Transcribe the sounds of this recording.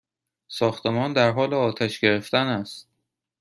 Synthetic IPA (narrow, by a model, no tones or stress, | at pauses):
sɒːxt̪emɒːnd̪æɾɦɒːleɒːt̪ʰæʃɡe̞ɾe̞ft̪ænæst̪̚